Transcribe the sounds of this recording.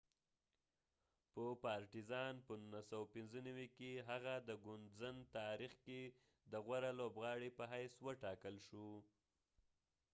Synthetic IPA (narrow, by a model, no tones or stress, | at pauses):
pəpɑɾʈizɑnpənunasawapɪnzənawikeɦaɣad̪əɡʊnzənt̪ɑɾixke | d̪əɣwaɾalobɣɑɽepəɦajswəʈɑkəlʃu